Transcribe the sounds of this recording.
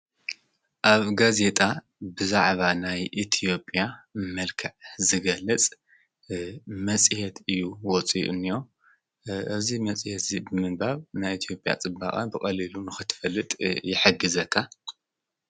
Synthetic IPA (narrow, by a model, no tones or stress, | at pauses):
ʔaβɡaze̞t̪ʼa | bɨzaʕβanajʔit̪ʰijo̞pʼjamɐlkʰɐʕzɨɡɐlːɐt͡sʼ | mɐt͡sʼihɛt̪ʰɨjːuwɔt͡sʼḭʔɨ̰nːijo̞ | ʔɨzimɐt͡sʼihɛt̪zibɨmɨnbaβnajit̪ʰjo̞pʼja̰t͡sʼɨba̰χʼa̰bɨkʼɐlilunɨxɨt̪ʰɨ̥fɐlːɨt̪ʼjɪħɨɡɨzɐkʰːa